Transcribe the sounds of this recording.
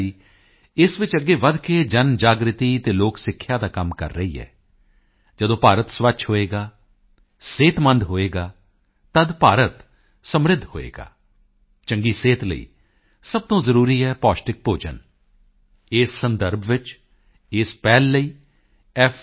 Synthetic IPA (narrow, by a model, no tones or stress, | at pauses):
iː | ɪsʋɪt͡ʃəɡːeːʋəd̪ked͡ʒənd͡ʒaːɡɾɪt̪iːt̪eːloːksɪkʰːjaːd̪aːkəmkə̰ɾːəɦḭːɦɛ̰ː | d͡ʒəd̪õːpaːɾət̪sʋəʃʰɦoːeːɡaː | seːt̪mə̃nd̪ɦoːeːɡaː | t̪əd̪paːɾət̪ | səmɾɪd̪ʱɦo̰ːḛːɡa̰ː | t͡ʃəŋɡiːseːt̪lə̰ḭː | səb̚t̪õːzəɾuːɾiːɦɛːpɔːsʈɪk̚poːd͡ʒə̰n | ɪːsːənd̪əɾbʱʋɪt͡ʃ | ɪspɛːlːəiː | ɛ